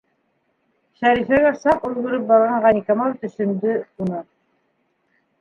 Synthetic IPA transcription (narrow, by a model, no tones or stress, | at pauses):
ʃæɾifæɡæsɑqulɡɘ̆ɾɤp̚bɑɾʁɑɴʁɑnʲikɑmɑlt̪ɵ̆ʃɵ̆nd̪ɵunɤ